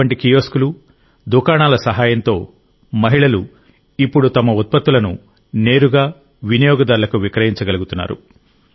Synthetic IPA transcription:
ɐɳʈikijo̞ːskulu | d̪ukaːɳaːlɐsɐɦaːjɐnt̪o̞ː | mɐɦiɭɐlu | ipːuɽut̪ɐmɐut̪̚pɐt̪ːulɐnṵ | ne̞ːɾuɡaː | ʋinijɔːɡɐd̪ɐːɾulɐkuʋikɾɐɦiɲt͡ʃɐɡɐluɡut̪unːa̰ːɾṵ

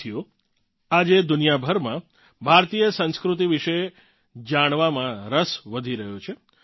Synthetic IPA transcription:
ijo | ad͡ʒed̪ʊnijabʱəɾmã | bʱaɾt̪ijəsə̃nskɾut̪iʋiʃe | d͡ʒaɽ̃ʋamãɾəsʋəd̪ʱiɾəɦot͡ʃʰe

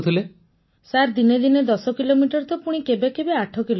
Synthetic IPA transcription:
t̪ʰile | saɾd̪ined̪ined̪ɔsɔkilomiʈɔɾt̪ɔpuɽ̃ikebekebeaʈʰɔkilo

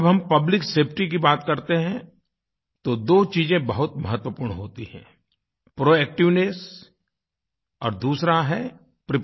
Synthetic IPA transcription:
bɦɐmpɐblɪkseːpʰʈik̬ibaːt̪kɐɾt̪eɦɛ̃ | t̪od̪oːt͡ʃiːzẽbɐɦʊt̪mɐɦət̪wəpuːɾɳɦoːt̪iɦɛ̰̃ː | pɾoːɛːk̚ʈɪʋnes | ɔːɾd̪uːsɾaɦɛ | pɾɪp

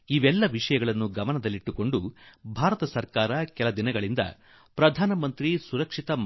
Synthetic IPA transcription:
iʋɛlːɐʋiʂɐjɐɡɐɭɐnːuɡɐmɐnɐd̪ɐlːiʈːuko̞ɳɖubʱaːɾɐt̪ɐsɐɾkaːɾɐkɛlɐd̪inɐɡɐɭind̪ɐ̰ | pɾɐd̪ʱaːnɐmɐnt̪ɾisuɾɐkʂit̪ɐm

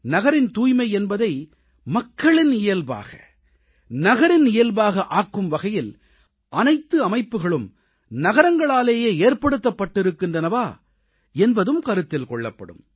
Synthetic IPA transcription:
nɐɣɐɾɪnt̪uːjmɐɪɛnbɐðɐɪ | mɐkːɐɭɪnɪjɐlba̰ːɣɐ̰ | nɐɣɐɾɪnɪjɐlbaːɣɐʔaːkːɯmʋɐɣɐjɪl | ʔɐnɐɪt̪ːɯɐmɐɪpːɯɣɐɭɯm | nɐɣɐɾɐŋɡɐɭaːleːjeːeːrpɐɽɯt̪ːɐpːɐʈːɪɾɯkːɪndrɐnɐʋaː | ɛnbɐðɯmkɐɾɯt̪ːɪlkɔɭːɐ̰pːɐ̰ɽɯ̰m

